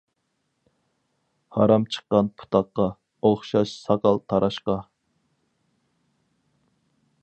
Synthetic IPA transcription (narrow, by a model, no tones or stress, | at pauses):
hɑɾɑmt͡ʃʰə̥qːɑnpʰu̥t̪ʰɑqːɑ | oχʃɑʃsɑqɑlˠt̪ʰɑɾʔɑʃqɑ